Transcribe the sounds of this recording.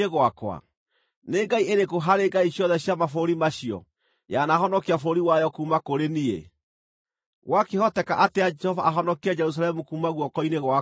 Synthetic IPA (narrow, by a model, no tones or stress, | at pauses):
eɣwakwa̰ | neɡaiʔeɾekoɦaɾeŋɡaiɕjɔðɛɕjamafoɾimaɕiɔ̰ | janaɦɔnɔkeafoɾiwajɔkuːmakoɾeniḛ | ɣwakehɔtɛkaʔateaɛhɔvaʔːɦɔnɔkiad͡ʒɛɾus̬alɛmukuːmaɣwɔkɔineɣwa